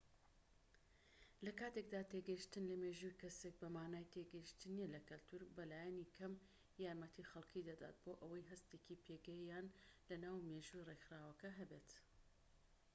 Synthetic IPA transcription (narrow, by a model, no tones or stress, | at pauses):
lɐkaːt̪ek̚d̪aːt̪eɡɐjiʃt̪ɨnlɐmeʒujkɐsek̚bɐmaːnaːjt̪ʰeɡɐjiʃt̪ɨnielɐkɐlt̪ʰuɾbɐlaːjɛnikʰɐm | jaːɾmɐt̪ʰixɐlˠkʰid̪ɐd̪a̰ːt̪̚boːʔɐwɐjɦɐst̪eːkipʰeːɡɛjjaːnlɐnaːwmeʒuirexɾaːwɐkɐɦɐbet̪